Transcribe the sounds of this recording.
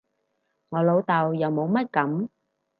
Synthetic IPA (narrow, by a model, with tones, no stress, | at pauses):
ŋɔː˨˧lo˨˧wt̪ɐ˨wjɐ˨˧wmo˨˧wmɐ˥t̚kɐ˨˥m